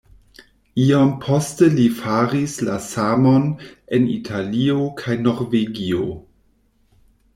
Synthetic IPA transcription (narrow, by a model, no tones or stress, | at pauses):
iampʰostəlifaɾislasamonenḭtʰaliokʰajnoɾveɡio